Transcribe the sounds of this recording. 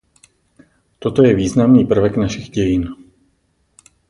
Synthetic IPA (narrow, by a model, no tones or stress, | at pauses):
t̪o̞t̪o̞jɛviːznamniːpr̩vɛknaʃɪɣɟɛjɪn